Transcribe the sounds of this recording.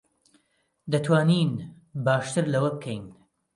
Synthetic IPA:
d̪ɐt̪ʰwaːnin | baːʃt̪ʰɨɾlɐwɐbɨkʰɛjn

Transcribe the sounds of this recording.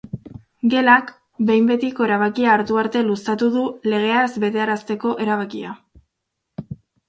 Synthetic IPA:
ɡe̞lak | be̞jmbe̞t̪iko̞e̞ɾaβ̞akiaːɾt̪uaɾt̪e̞lust̪at̪uðule̞ɣ̞e̞azbe̞t̪e̞aɾast̪e̞ko̞ʔe̞ɾaβ̞akia

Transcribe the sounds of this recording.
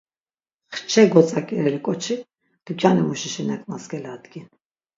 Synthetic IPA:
χt͡ʃʰɛɡɔt͡sʼakʼɛɾɛlikʼɔt͡ʃʰi | d̪̥ukʰʼjanimuʃiʃinakʼnasɡɛlad̪ɡin

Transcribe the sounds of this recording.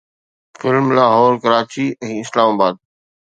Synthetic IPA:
fɪlmlaːɦɔːɾkəɾaːt͡ɕiɛ̃ːɪslaːmaːbaːd̪̚

